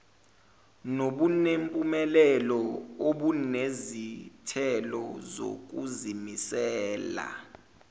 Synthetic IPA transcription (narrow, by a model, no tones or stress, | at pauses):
noɓunempʼumɛlɛlɔoɓunezitʰɛlɔzo̰k̬ʼuzimisɛːla̰